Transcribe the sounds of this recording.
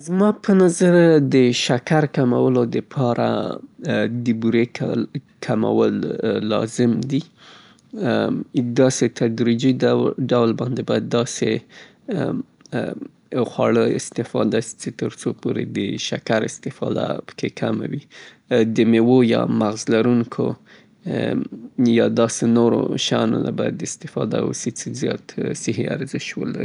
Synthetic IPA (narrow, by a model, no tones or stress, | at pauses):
zmɑpʰənazaɾd̪əʃakaɾkamawəlod̪əpʰɑɾa̰ | d̪əbuɾek | kʰama̰wəlːɑ̰zɪmd̪i | d̪ɑset̪ʰad̪ɾid͡ʒiɖawlbɑnd̪ebajd̪ːɑse | xwɑɭəɪst̪ɪfɑd̪ast͡ʃet̪əɾt͡sopoɾed̪əʃakaɾɪst̪ɪfɑd̪a̰pə̥kʰekʰama̰wi | d̪əmewojɑ̰maɣzlaɾuŋkʰo | jɑd̪ɑsenoɾo̰ʃano̰la̰baja̰d̪ːəɪst̪ɪfɑd̪a̰wset͡sezjɑt̪sɪɦea̰ɾzɪʃwə̰la̰ɾi